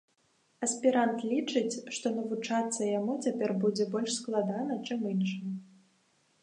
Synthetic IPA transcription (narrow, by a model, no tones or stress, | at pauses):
ɐsʲpʲiɾant̪lʲit͡ʂɨt͡sʲʂt̪ɔnɐvut͡ʂat̪sːɐjamut͡sʲapʲɛrbud͡zʲɛbɔlʲʂsklˠad̪anɐt͡ʂɨminʂɨ